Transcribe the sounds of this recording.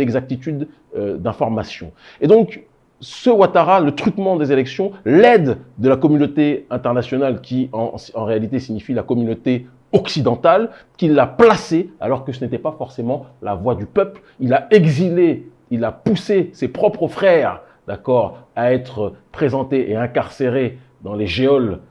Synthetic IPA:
ɛɡzak̚t̪it̪yd̪ | d̪ɛ̃fɔʁmasjɔ̰̃ | ed̪ɔ̃k | səwat̪aʁalət̪χyt̪mɑ̃d̪ezelɛksjɔ̃lɛd̪ːəlakɔmynot̪eɛ̃t̪ɛʁnasjɔnalkʲiɑ̰̃sɑ̃ʁealit̪esiɲifilakɔmynot̪e | ɔksid̪ɑ̃t̪al | kʲilːaplasea̰lɔʁkəs̬ənet̪ɛpafɔʁsemɑ̃la̰vwad̪ypœpl | ilaɛɡzile | ilapusesepχɔpχəfχɛʁ | d̪̥akɔʁaɛt̪χəpχezɑ̃t̪eʔeɛ̃kaʁseʁe | d̪ɑ̃leʒeɔl

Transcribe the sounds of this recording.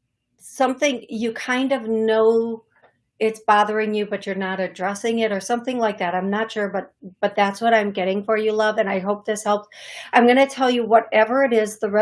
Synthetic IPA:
sʌ̃mθɪ̃ŋjɨkʰãɪ̃ndʌvnoʊ | ɪtsb̥ɑðə˞ɪ̃ŋjɨbʌt͡ʃə˞nəɾɨdɹɛsɪ̃ŋɪɾə˞sʌ̃mθɪ̃ŋlaɪk̚ðæɾãɪ̃mnətʃʊɹbʌt̪̚b̥ʌt̪̚ðætswʌɾãɪ̃mɡɛɾɪ̃ŋfə˞jɨlʌvɨ̃naɪɦoʊp̚ðɪshɛlˠpsãɪ̃mɡʌñɨtʰɛlˠjɨwʌɾɛvə˞ɨɾɪzðəɛ

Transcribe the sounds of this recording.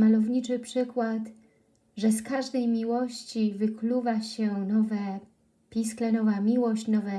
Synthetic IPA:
malɔvɲit͡ʂɘpʂɘkwat̪ | ʐɛskaʐd̪ɛjmʲiwɔɕt͡ɕivɘkluvaɕɛnɔvɛ | pʲisklɛnɔvamʲiwɔɕt͡ɕnɔvɛ

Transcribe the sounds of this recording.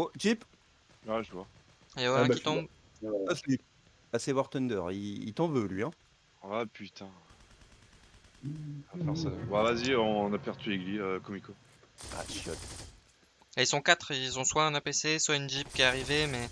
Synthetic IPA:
oʒip | wɛʒəvwa | ewɛ̃kit̪ɔ̃ | as | asɛwɔʁt̪ɔnd̪œʁiḭt̪ɑ̃vølɥiɛ̃ | wɛpʰyt̪ʰɛ̃ | afɔ̃sɛwavaziɔ̃napɛʁt̪yeɡliøkɔmiko | a̰ʃjɔ̰t̪ | ilsɔ̃kat̪χilzɔ̃swaɛ̃napeseswaynʒip̚kʲɛaʁivemɛ

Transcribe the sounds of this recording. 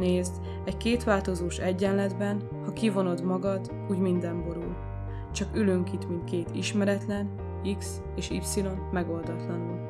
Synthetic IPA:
neːzd̪ | ɛckeːt̪ʋaːlt̪o̞zoːʃɛɟːɛnlɛd̪bɛn | hɒkivo̞no̞d̪mɒɡɒd̪ | uːɟmind̪ɛmbo̞ɾul | t͡ʃɒkyløŋkit̪mint̪keːt̪iʃmɛɾɛt̪lɛn | iks | eːʃḭpsilo̞nmɛɡo̞ld̪ɒt̪lɒnul

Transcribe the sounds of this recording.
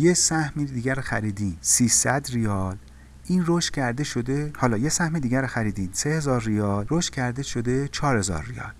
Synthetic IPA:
jesæhmid̪iːɡæɾoxæɾiːd̪iːnsiːsæd̪rijɒːl | ʔiːnroʃt̪cʰæɾd̪e̞ʃo̞d̪e̞hɒːlɒːje̞sæhmed̪iːɡæɾoxæɾiːd̪iːnse̞hezɒːɾrijɒːlɾoʃt̪cʰæɾd̪e̞ʃo̞d̪e̞t͡ʃʰɒːɾhe̞zɒ̰ːɾːijɒ̰ːl

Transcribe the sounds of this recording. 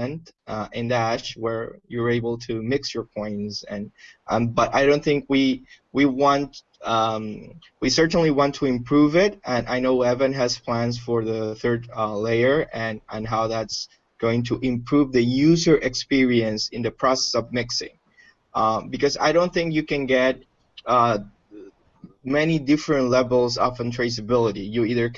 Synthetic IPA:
ɨ̃ntɪ̃ndæʃwə˞jə˞eɪbl̩ˠtʰɨmɪksjə˞pʰɔ̃ɪ̃nsɨ̃nʔbʌɾaɪɾõʊ̃nθɪ̃ŋkwi | wiwɑ̃nt̚ | wisɜ˞ʔn̩liwɑ̃ntʰəɨ̃mpʰɹ̥uvɪtʔɨ̃naɪnoʊɛvɨ̃nɨz̥pʰl̥æ̃nz̥fə˞ðəθɜ˞dleɪə˞ʔɨ̃nɨ̃nɦaʊðæts | ɡ̥oʊɪ̃ŋtʰəʔɨ̃mpʰɹ̥uvðɨjʉzə˞ʔɨkspɪɹiɨ̃nsɨ̃nðɨpʰɹ̥ɔsɛ̥sʌvmɪksɪ̰̃ŋ | bɨkʌza̰ɪɾõʊ̃nθɪ̃ŋkjɨkɨ̃nɡɛt̚ | mɛnidɪfɹɨ̃ntˡlɛvl̩ˠzɑfə̃ntʰɹ̥eɪs̬ɨbɪlˠəɾijɨiðə˞k

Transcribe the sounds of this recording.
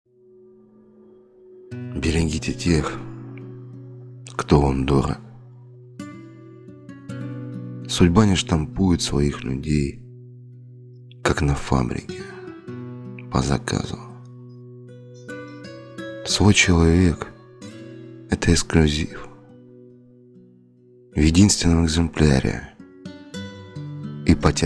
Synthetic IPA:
bʲɪɾʲɪɡʲitʲɪtʲe̞x | kt̪ovamd̪oɾə̰ | sʊdʲbanʲɪʂt̪ɐmpujʊt̪svɐixlʲʊ̰dʲej | kaknɐfa̰bɾʲɪ̰kʲɪ | pə̰zɐ̰kʰa̰zʊ | svojt͡ɕɪlˠɐvʲek | ɛt̪əɪksklʲʉzʲif | vjɪdʲinst̪vʲɪnːəmɪɡzɨmplʲa̰ɾʲɪ̰ | ipətʲ

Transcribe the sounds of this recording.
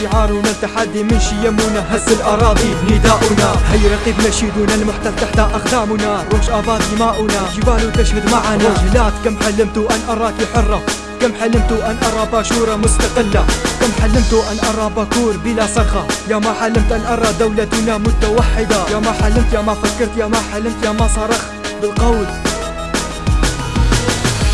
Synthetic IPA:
ʕɑːɾˤulæt̪aħad̪ːiməʃijæmːunaɦæsːəlʔɑɾˤɑːd̪ˤinɪd̪aʔʊnaɦəjɾˤɑqibmæʃid̪unalmʊħt̪ælt̪aħt̪aʔɑqd̪aːmʊnaɾwəməʃʔɑd̪ˤɑd̪imaʔʊnaʒəbalut̪æʃhəd̪maʕanahlaːt̪kæmħalːəmt̪uʔænʔɑɾˤɑkiħorˤːɑ | kæmħalːəmt̪uʔænʔɑɾˤɑbæʃuɾˤɑmʊst̪ɑqəlːakamħalːəmt̪uʔanʔɑɾˤɑbakuːɾˤbəlasˤɑɣɑjamaħalːəmt̪ʔænʔɑɾˤɑd̪awlat̪ʊnamʊt̪awaħːɪd̪ajamaħalːəmt̪jamafakːɑɾt̪jamaħalːəmt̪jamasˤɑɾˤɑxt̪ | bəlqɑwl

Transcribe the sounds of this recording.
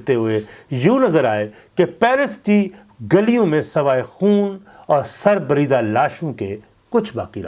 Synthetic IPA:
t̪eɦʊejuːnɐzəɾaːe | kepɛːɾəsʈ̪i | ɡɐlijõmẽsɐʋaːexuːn | ɔːɾsɐɾbɐɾiːd̪alaːʃõke | kʊt͡ʃʰba̰ːkiɾ̰

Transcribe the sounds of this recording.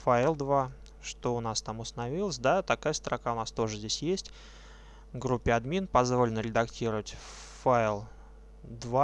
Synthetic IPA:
faɪlˠd̪va | ʂt̪o̞ʊnast̪amʊst̪ənɐvʲilˠəsʲd̪at̪ɐkajəst̪ɾʔɐkaʊnast̪o̞ʐɨzʲdʲesʲjesʲtʲ | vɡɾupʲːɪɐd̪mʲinpɐzvo̞lʲɪnɾʲɪd̪ɐktʲiɾəvətʲ | faɪlˠ | d̪va

